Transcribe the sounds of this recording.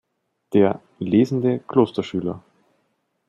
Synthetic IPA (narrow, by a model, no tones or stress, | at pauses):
d̥eːɐ | leːzn̩dəkʰl̥oːstɐʃyːlɐ̰